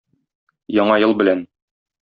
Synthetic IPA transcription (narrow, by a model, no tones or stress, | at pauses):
jɒɴɑjɤlˠbɘ̆læn